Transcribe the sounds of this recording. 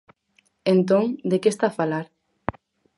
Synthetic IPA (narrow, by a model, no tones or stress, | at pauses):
ent̪oŋd̪ekest̪afalaɾ